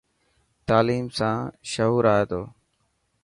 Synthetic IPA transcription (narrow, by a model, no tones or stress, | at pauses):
t̪aːliːmsãːʃəɦuːɾaːeːt̪oː